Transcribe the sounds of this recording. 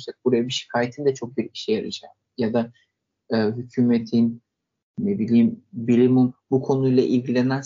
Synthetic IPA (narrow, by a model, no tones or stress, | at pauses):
sak̚buɾajabiʃi̥kʰaːjet̪ʰind̪ɛt͡ʃʰo̞k̚biɾiʃɛjaɾɯd͡ʒaːm | jad̪a | ɯːɦycʰyːmet̪ʰin | nebilʲiːmbilʲimunbukʰo̞nujlˠaʔilʲɟilʲenæn